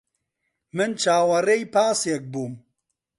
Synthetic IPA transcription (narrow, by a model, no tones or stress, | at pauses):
mɨnt͡ʃʰaːwɐrejpaːsjek̚buːm